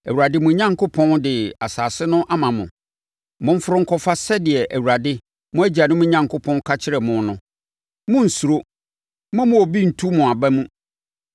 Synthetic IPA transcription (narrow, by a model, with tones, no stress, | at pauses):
æ˨wu˨ɾa˨dɪ˦mʊ̃˨˦ɲã˦ŋkʰo˦pʰɔ̃˦ndɪ˨a˨saː˨sɪ˦nʊ̃˦ʔa˦mã˨mʊ̃˨ | mʊ̃˨m̩˦fʊ˦ɾʊ̃˦ŋ̩˨kʰɔ˨fa˦sɛ˦dɪ˨ɛ˨ʔæ˨wu˨ɾa˨dɪ˦ | mʊ̃˦æ˦d͡ʑi˨a˨nʊ̃˦mʊ̃˦ɲã˨ŋkʰʊ˦pʰɔ̃˦nkʰa˦t͡ɕʰɪ˦ɾɛ˨mʊ̃˦nnʊ̃˦ | mʊ̃˦n̩˨su˨ɾo˦ | mʊ̃˦mʊ̃˨o˨bi˦n̩˨tʰu˦mʊ̃˨a˨bɛ˦mũ˦